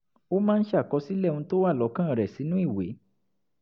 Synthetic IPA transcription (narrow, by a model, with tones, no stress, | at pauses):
o˦mãː˦n̩˦ʃa˦˨kɔ˨˧si˦lɛ˦˨ũ˧to˦wa˦˨lɔ˨˦kã˦˨ɾɛ˨si˨˦nũ˦i˦˨we˨˦